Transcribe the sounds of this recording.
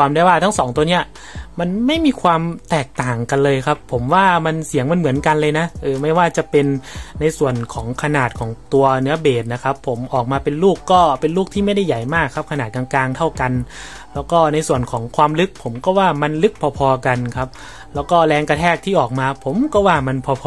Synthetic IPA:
aː˧mda˧waː˥˩t̪ʰa˦˥ŋsɔː˩˦ŋt̪u˧ɐni˦˥ɐ | ma˧nma˥˩jmiː˧kʰwaː˧mt̪ɛː˨˩k̚t̪aː˨˩ŋka˧nlɤː˧jkʰa˦˥pʰːo˩˦mwaː˥˩ma˧nsi˨˩˦əŋma˧˥˦nmɯ˩˦ənka˧nlɤː˧jna˦˥ʔɤː˧ma˥˩jwaː˥˩t͡ɕa˨˩pe˧nːa˧jsu˨˩ənkʰɔː˩˦ŋkʰa˧naː˨˩t̪̚kʰɔː˩˦ŋt̪u˧ɐnɯ˦˥ɐbeː˨˩t̪̚na˦˥kʰa˦˥pʰːo˩˦mʔɔː˨˩k̚maː˧pe˧nluː˥˩kːɔː˥˩pe˧nluː˥˩k̚t̪ʰiː˥˩ma˥˩jda˥˩jːa˨˩jmaː˥˩kʰːa˦˥p̚kʰnaː˨˩t̪̚ka˧ŋklaː˧ŋt̪ʰa˥˩wka˧n | lɛː˦˥wkɔː˥˩na˧jsu˨˩ənkʰɔː˩˦ŋkʰwaː˧mlɯ˦˥k̚pʰːo˩˦mkɔː˥˩waː˥˩ma˧nlɯ˦˥k̚pʰɔː˧pʰɔː˧ka˧nkʰa˦˥p̚ | lɛː˦˥wkɔː˥˩lɛː˧ŋka˧t̪ʰɛː˥˩k̚t̪ʰiː˥˩ʔɔː˨˩k̚maː˧pʰo˩˦mkɔː˥˩waː˥˩ma˧npʰɔː˧pʰː

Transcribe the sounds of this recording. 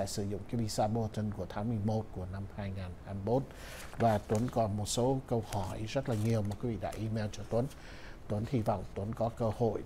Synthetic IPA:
a̰˧˨sɨ˧˩zʊ̰˧˨ŋ͡mkaː˨˦vi˧˨saː˧ɓo˧t̪ə˧nku˧˩ət̪ʰaː˨˦ŋmɨ˨˩əjmo˦˥t̚ku˧˩əna˧mhaː˧jŋaː˨˩nhaː˧mi˧mo˦˥t̚ | vaː˨˩t̪wə˨˦nkɔ˨˩mo˨˩t̚so˨˦kə˧whɔ˧˩jzə˦˥t̚laː˨˩ɲi˨˩əwmaː˨˩ki˨˦vḭ˧˨ɗa̰ː˧˥ʔi˧mɛ˧wt͡ɕɔ˧t̪wə˨˦n | t̪wə˨˦nt̪i˧vɔ̰˧˨wŋ͡mt̪wə˨˦nkɔ˨˦kəː˧ho̰˧˨j

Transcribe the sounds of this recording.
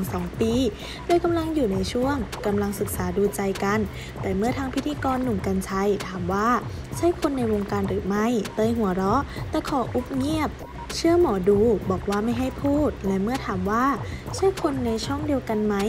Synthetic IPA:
ŋsɔː˩˦ŋpiː˧ | doː˧jka˧mla˧ŋjuː˨˩na˧jt͡ɕʰu˥˩əŋka˧mla˧ŋsɯ˨˩k̚saː˩˦duː˧t͡ɕa˧jka˧n | t̪ɛː˨˩mɯ˥˩ɐt̪ʰaː˧ŋpʰi˦˥t̪ʰiː˧kɔː˧nːu˨˩mka˧nt͡ɕʰa˧jt̪ʰaː˩˦mwaː˥˩ | t͡ɕʰa˥˩jkʰo˧nːa˧jwo˧ŋkaː˧nɾɯː˩˦ma˥˩jt̪ɤː˧jɦu˩˦ɐɾɔ˦˥t̪ɛː˨˩kʰɔː˩˦ʔu˦˥p̚ŋi˥˩əp̚ | t͡ɕʰɯ˥˩əmɔː˩˦duː˧bɔː˨˩k̚waː˥˩ma˥˩jɦa˥˩jpʰuː˥˩t̪̚lɛ˦˥mɯ˥˩ɐt̪ʰaː˩˦mwaː˥˩t͡ɕʰa˥˩˨jkʰo˧nːa˧jt͡ɕʰɔ˥˩ŋdi˧əwka˧nma˦˥j

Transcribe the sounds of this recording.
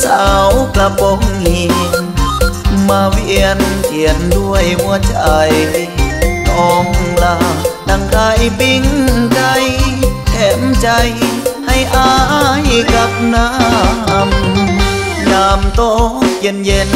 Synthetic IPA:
sa˧˩wkla˧pɔ˧˦ŋhi˧˩˧n | maː˧wii˧ənki˨˩əndu˧˩əjwu˧ət͡ɕʰaa˨˩j | ɔ˨˧ŋla˧˩ta˧˩ŋk̪ʰa˧˩jbi˧˩ŋka˧jt̪ʰɛ˧˩˦mt͡ɕa˧jha˥˩jʔa˧jka˧p̚na˧˥m | ɲaː˧mt̪o˧˩ki˧˩ənje˧n

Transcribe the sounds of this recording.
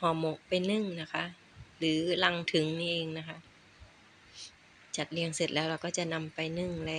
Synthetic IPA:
hɔː˨˩˦mo˨˧˩ʔ̚pa˧jnɯ˧˥˩ŋna˦˥kʰa˦˥ʔ | lɯː˩˦la˧ŋt̪ʰɯ˨˩˦ŋniː˧˥˩ʔeː˧ŋna˦˥kʰa˦˥ʔ | t͡ɕa˨˩t̪̚li˧əŋse˨˩t̪̚lɛː˦˥wɾa˧wkɔː˥˩t͡ɕa˨˩na˧mpa˧jnɯ˧˩ŋlɛː˧˩

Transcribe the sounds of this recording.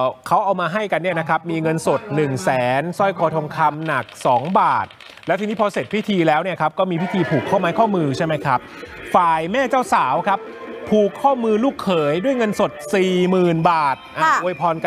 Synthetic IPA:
kʰa˦˥wʔa˧wmaː˧ɦa˥˩jka˧nːi˥˩ɐna˦˥kʰɾa˦˥p̚miː˧ŋɤ˧nso˨˩t̪̚nɯ˨˩ŋsɛː˩˦nsɔ˥˩jkʰɔː˧t̪ʰo˧ŋkʰa˧mna˨˩k̚sɔː˩˦ŋbaː˨˩t̪̚ | lɛ˦˥t̪ʰiː˧ni˦˥pʰɔː˧se˨˩t̪̚pʰi˦˥˩t̪ʰiː˧lɛː˦˥wni˥˩ɐkʰp̚kɔː˥˩miː˧pʰi˦˥t̪ʰiː˧pʰuː˨˩kʰːa˥˩maː˧jkʰɔː˥˩mɯː˧t͡ɕʰa˥˩jma˦˥jkʰɾa˦˥p̚faː˨˩jmɛː˥˩t͡ɕaː˥˩wsaː˩˦wkʰɾa˦˥p̚ʰː | uː˨˩kʰːɔː˥˩mɯː˧luː˥˩kʰːɤː˩˦jdu˥˩əjŋɤ˧nso˨˩t̪̚siː˨˩mɯː˨˩nbaː˨˩t̪̚ʔaː˧˩ʔu˧jpʰɔː˧nk

